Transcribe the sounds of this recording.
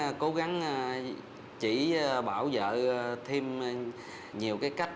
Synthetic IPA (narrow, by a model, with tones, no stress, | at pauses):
ko˨˦ɣa˨˦ŋ˧ | t͡ɕḭ˧˩ɓaː˧˩wzə̰ː˧˨t̪ʰi˧m | ɲi˨˩əwkaː˨˦jka˦˥jk̟̚